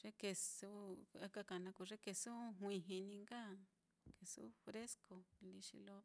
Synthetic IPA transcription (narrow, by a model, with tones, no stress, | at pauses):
ʐ̥e˦ke˧su˦a˦ka˧ka˨nã˧ku˧ʐe˦ke˧su˦ɦwĩ˧ɦĩ˧nĩ˧ŋɡa˦ | ke˨sṵ˦fɾe˦sko˨li˧ʃḭ˧lo˦